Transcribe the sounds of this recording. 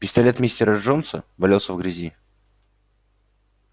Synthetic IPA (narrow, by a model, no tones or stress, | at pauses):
pʲɪst̪ɐlʲet̪mʲesʲtʲɪɾəʐonsəvɐlʲelˠsʲəvɡɾʲɪzʲi